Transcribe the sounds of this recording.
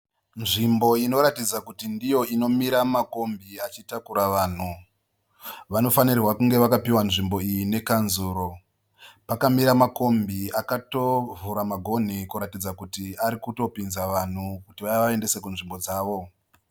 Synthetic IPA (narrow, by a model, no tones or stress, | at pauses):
nʐimbo̞ino̞ɾatid͡zakutindijo̞ino̞miɾamako̞mbiat͡ʃitakuɾaʋaːn̤u | ʋano̞fanirwakuŋɡe̞ʋakapiwanʐimbo̞ijine̞kanzuːɾo̞ | pakamiɾamako̞mbiakato̞vuɾamaɡʱo̞n̤ikuɾatid͡zakutiaɾikuto̞pinzaʋan̤ukutiʋajaʋae̞nde̞se̞kunʐimbo̞d͡zaːʋo̞